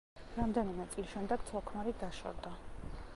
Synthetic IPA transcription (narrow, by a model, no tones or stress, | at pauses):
ɾamd̪ɛnimɛt̪sʼilʃɛmd̪ɛɡ̥t̪sʰɔkʰmaɾid̪aʃɔ̰ɾd̪a